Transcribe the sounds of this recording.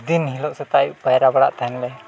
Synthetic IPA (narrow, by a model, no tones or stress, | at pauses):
d̪inhilɔʔsɛt̪ajuʔpajɾabaɽa̰ʔt̪ʰaɛnlɛ